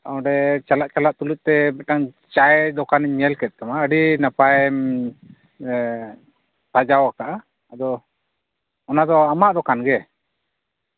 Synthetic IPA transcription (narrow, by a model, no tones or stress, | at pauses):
t̪aw̃ɖɛt͡ʃalaʔt͡ʃalaʔt̪uluc̪̚ˀt̪ɛmɛʈaŋ | t͡ʃaɛd̪ɔkaniɲmɛlkɛt̪̚kamaəɖinapaj | t̪ad͡ʒawakaʔaː | d̪ɔ | ɔnad̪ɔamaʔd̪ɔkanɡɛ